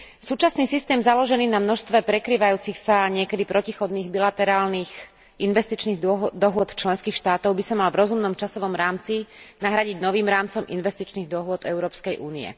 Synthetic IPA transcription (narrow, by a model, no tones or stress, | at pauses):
suːt͡ʃasniːsist̪ɛːmzalɔʒɛniːnamnɔʃst̪ʋɛpɾɛkɾiːʋajuːt͡sixsaɲɪɛkɛd̪ipɾɔcixɔd̪niːɣbilat̪ɛɾaːlniːx | ʔinʋɛst̪it͡ʃniːɣd̪ɔɦʊɔt̪t͡ʃlɛnskiːxʃt̪aːt̪ɔʊbisamalvɾɔzumnɔmt͡ʃasɔʋɔmɾaːmt͡sinaɦɾaɟiɟnɔʋiːmɾaːmt͡sɔmḭnʋɛst̪it͡ʃniːɣd̪ɔɦʊɔd̪ɛʊɾɔːpskɛjʔuːniɛ̰